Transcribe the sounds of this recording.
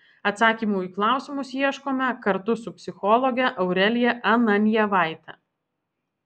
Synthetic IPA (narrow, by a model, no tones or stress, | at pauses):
ɐt̪sɑːkʲiːmuːiklˠɑˑʊsʲɪmʊsjiɛʃkoːmʲɛkɐɾt̪ʊsʊpʲsʲɪxɔlˠɔɡʲɛʔɐʊɾʲɛlʲɪjɛʔɐnɐnʲjɛʋɑˑɪt̪ɐ